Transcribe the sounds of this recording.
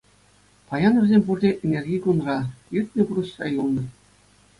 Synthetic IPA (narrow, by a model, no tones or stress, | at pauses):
pɑjɑnɤ̆rʲzʲemʲpurdʲeʔenʲerʲɡʲijɡunrɑirʲt̪ʲnʲɘ̆puɾɤ̆ɕrɑ̰julˠnɤ̆